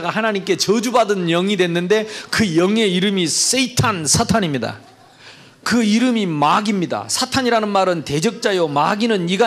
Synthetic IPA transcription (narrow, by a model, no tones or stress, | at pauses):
ɡahanaɲimk͈e̞t͡ɕʌd͡ʑubadɯnjʌŋidwe̞nːɯnde̞kɯjʌŋe̞iɾɯmis͈eitʰansʰatʰaɲimɲida̰ | kɯiɾɯmimaɡimɲida̰sʰatʰaɲiɾanɯnmaɾɯnte̞d͡ʑʌk̚t͡ɕ͈ajomaɡinɯniɡa